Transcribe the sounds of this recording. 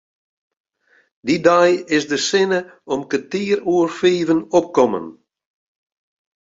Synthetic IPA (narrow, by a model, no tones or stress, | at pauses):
didajɪsdəsɪnəɔmkətiːruərfiːvənɔp̚kɔmə̰n